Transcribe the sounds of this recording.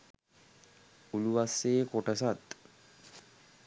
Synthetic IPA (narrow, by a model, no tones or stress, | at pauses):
uluʋasːeːkoʈəsat̪